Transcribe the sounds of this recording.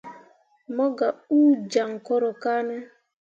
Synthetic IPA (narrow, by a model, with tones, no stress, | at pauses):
mɔ˦ɡa˨uː˦d͡ʒa˨ŋ̩˨kɔ˦ɾɔ˨ka˦nɪ˦